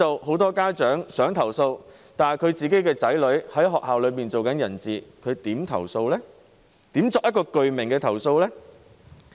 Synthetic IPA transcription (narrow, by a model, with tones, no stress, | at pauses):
o˨wɦo˨˥wt̪ɔː˥kaː˥t͡ʃœː˨˥ŋsœː˨˥ŋt̪ʰɐ˨˩wso˧w | t̪aː˨nkʰɵ˨˧ɥt͡siː˨ke˨˥jkɛː˧t͡sɐ˨˥jlɵ˨˥ɥhɐ˨˥jɦɔː˨k̚ɦaː˨wlɵ˨˧ɥpiː˨nt͡so˨wkɐ˨˥njɐ˨˩nt͡siː˨kʰɵ˨˧ɥt̪iː˨˥mt̪ʰɐ̰˨˩wso˧wlɛː˥ | t̪iː˨˥mt͡sɔː˨k̚jɐ˥tkɔː˧kɵ˨ɥmɪ˨˩ŋkɛː˧t̪ʰɐ˨˩wso˧wlɛː˥